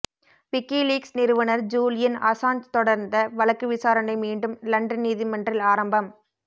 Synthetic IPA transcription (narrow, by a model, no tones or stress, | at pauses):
ʋɪkːiːliːksnɪɾɯʋɐnɐɾd͡ʒuːlɪjɐnɐ̰saːnt͡ʃt̪ɔɽɐɾnd̪ɐʋɐɭɐkːɯʋɪsaːɾɐnɐɪmiːɳɖɯmlɐɳɖɐnniːðimɐndrɪlaːɾɐmbɐm